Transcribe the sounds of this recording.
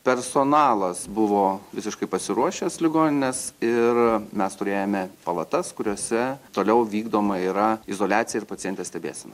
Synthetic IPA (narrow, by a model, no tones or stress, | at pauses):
pʲɛrsoːnɑːlˠɐsbʊʋoːʋʲɪsʲɪʃkɐɪpɐsʲɪɾuɔʃʲɛslʲɪɡoːnʲɪnʲɛsɪrmʲɛst̪ʊɾʲeːjɛmʲɛpɐlˠɐt̪ɐskʊɾʲoɔsʲɛt̪oːlʲɛʊʋʲiːɡd̪oːmɐiɾɐɪzoːlʲæːt̪sʲɪjɛɪɾpɐt̪ʲɪjɛnʲt̪ʲeːsʲtʲɛbʲḛːsʲɛnɐ